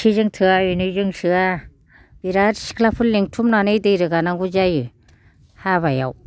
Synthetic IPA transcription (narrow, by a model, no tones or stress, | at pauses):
izɯŋtʰɯaɯnɯzɯŋsɯa | b̥iɾaɾsi̥kʰlapʰɯlleŋtʰumnanɯjdɯjɾɯɡanaŋɡud͡ʒajɯ | haβaja̰w